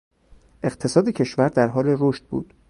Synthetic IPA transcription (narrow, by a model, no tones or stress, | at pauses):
ʔe̞qt̪ʰe̞sɒːd̪ecʰe̞ʃvæɾd̪æɾɦɒːle̞ɾoʃt̪̚bṵːd̪̥